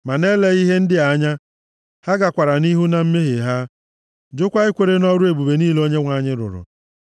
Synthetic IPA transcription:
ma˨ne˦le˦i˦ɦe˦n̩˦dɪ˦a˨˦ɲa˦ | ha˦ɡa˨kʷa˨ɾa˨ni˦ɦu˦na˨m̩˦me˦ɦe˨ɦa˦ | d͡ʒʊ˦kʷa˦ɪ˦kʷe˨ɾe˦nɔ˦ɾu˦e˨bu˨be˨niː˦lo˦ɲe˦ŋʷa˦ɲɪ˦ɾʊ̰˨ɾʊ̰˨

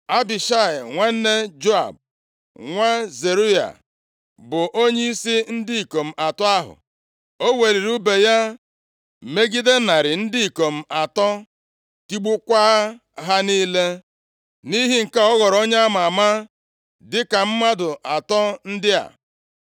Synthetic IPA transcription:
a˦bi˨ʃa˦˨ɪ˨ŋʷe˦n̩˦ne˦d͡ʒo˦a̰˨b̚ | ŋʷa˦ze˨ɾu˦ja̰˨ | bʊ˨ʔo˦ɲe˦i˦si˦n̩˦dɪ˦i˨ko˨m̩˨ʔa˨tɔ˦a˦ɦʊ̰˨ | o˦we˨ɾi˨ɾu˦be˨ja˦ | m̩˨me˦ɡi˦de˦na˨ɾɪ˨n̩˦dɪ˦i˨ko˨m̩˨a˨tɔ˦ | ti˦ɡ͡bu˦kʷa˦ | ɦa˦ni˦le˦ | ni˦ɦi˦ŋ̩˨ka˦ɔ˦ɣɔ˨ɾo˦ɲe˦a˦ma˨ma˦ | dɪ˦ka˨m̩˦ma˦dʊ˨ʔa˨tɔ˦n̩˦dɪ˦a̰˨

